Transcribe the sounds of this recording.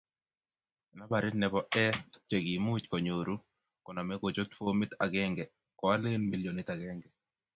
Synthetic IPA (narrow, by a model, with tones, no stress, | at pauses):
na˦ba˨ɾɪ˦nɛ˨bɔ˦ʔɛ˦t͡ʃe˨ɡi˨mu˦t͡ʃkɔ˨ɲo˨ɾu˦ | kɔ˨na˨mɛ˦ɡo˨d͡ʒo˦t̪fo˦mɪ˦t̪a˨ɡɛ˦ŋɡɛ˨ | kɔ˨a˦le˦nmi˦ljo˨nɪ˦t̪a˨ɡɛ˦ŋɡɛ˨